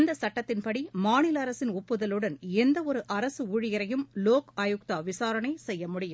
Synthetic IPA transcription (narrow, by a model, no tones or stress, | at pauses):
nd̪ɐsɐʈːɐt̪ːɪnpɐɽimaːnɪlɐɾɐsɪnɔpːɯðɐlɯɽɐnɛnd̪ɐɔɾɯʔɐɾɐsɯuːɻɪjɐɾɐjɯmloːkaːjʊk̚t̪aːʋɪsaːɾɐɳɐɪsɛjːɐmʊɽɪjɯm